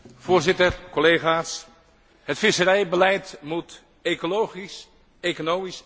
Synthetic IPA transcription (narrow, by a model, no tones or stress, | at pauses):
v̥ʊːɹzɪtəɹkɔlejχaːs | ɦətfɪsəɾɛjbəlɛjtmut | ekolowχis | ekonowmis